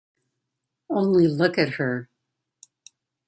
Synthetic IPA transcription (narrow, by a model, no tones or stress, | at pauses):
õʊ̃nlilʊkɨt̚hə˞